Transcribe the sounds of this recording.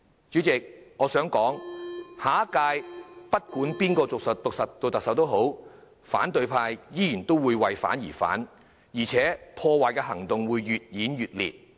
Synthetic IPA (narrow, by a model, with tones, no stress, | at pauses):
t͡ʃyː˨˥t͡sɪ˨k̚ŋɔː˨˧sœː˨˥ŋkɔː˨˥ŋhaː˨˥kaː˧jpɐ˥t̚kuː˨˥npiː˥nkɔː˧t͡sʊ˨k̚sɵ˨t̚t̪ʊ˨k̚sɐ˨t̚t̪ːo˧wt̪ɐ˨k̚sɐ˨wt̪o˥wɦo˨˥w | fa̰ː˨˥nt̪ɵ˧ɥpʰaː˧jjiː˥jiː˨˩nt̪o˥wwuː˨˧jwɐ˨jfa̰ː˨˥njḭː˨˩fa̰ː˨˥n | jiː˨˩t͡sʰɛː˨˥pʰɔː˧waː˨jkɛː˧ɦɐ˨˩ŋt̪ʊ˨ŋwuː˨˧jːyː˨t̚jiː˨˥njyː˨t̚lḭː˨t̚